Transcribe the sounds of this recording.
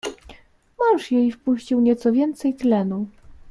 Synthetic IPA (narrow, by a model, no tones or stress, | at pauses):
mɔ̃wʂjejfpuɕt͡ɕiwɲɛt̪sɔvʲjɛnt̪sɛjt̪lɛnu